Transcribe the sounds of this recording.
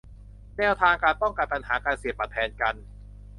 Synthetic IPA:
nɛː˥˩wt̪ʰaː˧ŋkaː˧npɔ˥˩ŋka˧npa˧nha̰ː˩˦kaː˧nsi˨˩˦əpːa˨˩t̪ʰːɛː˧nka˧n

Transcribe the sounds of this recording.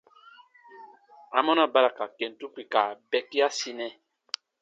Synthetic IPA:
a˨mɔ̃˦na˦ba˦ɾa˨ka˨kɛ˨n˨tu˦kwi˨ka˨bɛ˦ki˦a˦si˦nɛ˦

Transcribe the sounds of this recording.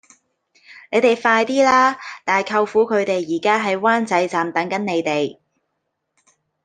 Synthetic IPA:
ne˨˧jt̪e˨jfaː˧jt̪iː˥laː˥t̪aː˨˩jkʰɐ˧wfuː˨˥kʰɵ˨˧ɥt̪e˨jːiː˨˩kaː˥ɦɐ˨jwaː˥nt͡sɐ˨˥jt͡saː˨mt̪ɐ˨˥ŋkɐ˨˥nne˨˧jt̪e˨˩j

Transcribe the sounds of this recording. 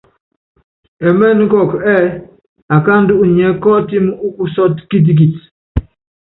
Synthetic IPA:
ɛ˨mɛ˦˨n˦kɔ˨kɛ˦˨ | a˨ka˦n̩˦du˦ʔɲɛ˨˦kɔ˦ti˦m˦u˦ku˦sɔ˦tki˦t̬i˦ɡ̬i˨t

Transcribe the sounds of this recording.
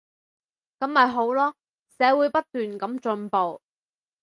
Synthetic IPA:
kɐ˨˥mhɐ˨jɦo˨˥wlɔː˥ | sɛː˨˥wuː˨˥jpɐ˥t̚t̪yː˨nkɐ˨˥mt͡ʃɵ˧npo˨w

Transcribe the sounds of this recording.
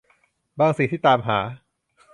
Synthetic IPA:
baː˧ŋsi˨˩t̪ʰiː˥˩t̪aː˧mɦaː˩˦

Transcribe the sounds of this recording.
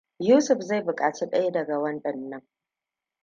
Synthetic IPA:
juː˦sʊ˨ɸza˦˨jbʊ˨kʼaː˨t͡ʃiː˦ɗɐ˦ja˦dɐ˨ɡa˨wɐ˦nɗɐ˨nːɐ˦ŋ

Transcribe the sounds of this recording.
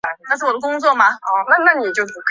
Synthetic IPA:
na˥˧ʂɻ̩˥˩wɔ˨˩d̪ə˦kʊ˥ŋt͡swɔ˥˩ma˨˩˧na˥˧na˥˩ni˨˩t͡ɕjo˥˩ʊpu˧˩kʰ

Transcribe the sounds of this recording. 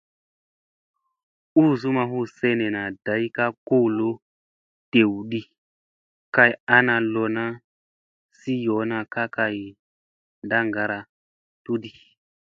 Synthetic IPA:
u˦˨zu˦ma˧ɦu˦sɛ˦nɛ˨na˨d̥a˨˦i˦ka˦ko˦˨lo˦ | te˨wɗi˦ | ka˨ja˦na˧lɔ˨na˦ | si˦jɔ˨˦na˨ka˦ka˨i˨ | nda˦ŋɡa˨ɾa˨ | tu˦ɗi˨

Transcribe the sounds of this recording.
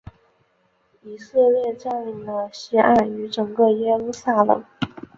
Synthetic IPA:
i˨˩sɤ˥˧ljɛ˥˧ʈ͡ʂa˥˩nli˧˥˩ŋd̪ə˧ɕɛ˥ʔa˥˩y˧˥ʈ͡ʂɤ˨˩ŋɡɤ˥˧jɛ˥lu˥˧˩sa˥˩lɤ̰˨˩˦ŋ

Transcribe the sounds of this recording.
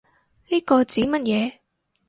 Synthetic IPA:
liː˥kɔː˧t͡siː˨˥mɐ˥t̚jɛː˨˧

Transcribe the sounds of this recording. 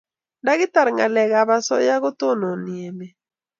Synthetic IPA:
nda˦ɣɪ˦t̪a˨ɾŋa˨lɛ˨ɣa˨βa˦sɔ̰˦ja˦ɣo˦t̪o˦nɔ˨nɪ˨e˨me˨

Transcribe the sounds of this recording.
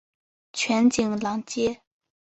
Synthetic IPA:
t͡ɕʰɛ˩˨nt͡ɕi˨ŋla˩˨ŋt͡ɕeː˥˨

